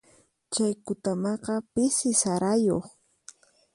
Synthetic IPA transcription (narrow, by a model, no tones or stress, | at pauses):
t͡ʃajkʊt̪amɑqɑpɪsɪsaɾajoχ